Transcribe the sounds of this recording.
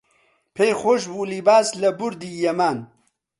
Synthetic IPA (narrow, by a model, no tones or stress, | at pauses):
pʰejxoʃ̬bulibaːslɐbʊɾd̪iːjɐmaːn